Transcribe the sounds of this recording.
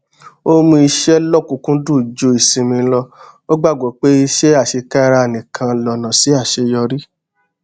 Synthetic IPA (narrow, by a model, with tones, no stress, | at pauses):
o˦mũ˧i˧ʃɛ˦lɔ˦˨kũ˨kũ˦du˦˨d͡ʒo˧i˨sĩ˨˧mĩ˧˦lɔ˧o˦ɡ͡ba˦˨ɡo˨˦k͡pe˦i˧ʃɛ˦a˦˨ʃe˧ka˦˧ɾa˧e˨nĩ˨kʰã˧lɔ˨nã˨si˨˦a˦˨ʃe˧jɔ˧ɾi˦